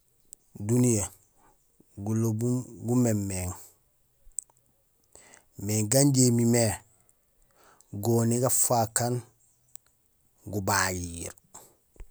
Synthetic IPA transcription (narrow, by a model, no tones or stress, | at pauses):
dunije | ɡulobumɡumemːeŋ | meŋɡaɲɟemime | ɡoniɡafakan | ɡubajiːɾ